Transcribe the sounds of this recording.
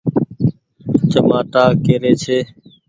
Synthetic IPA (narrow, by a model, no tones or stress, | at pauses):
t͡ʃəmaːt̪aːkeːɾeːt͡ʃʰeː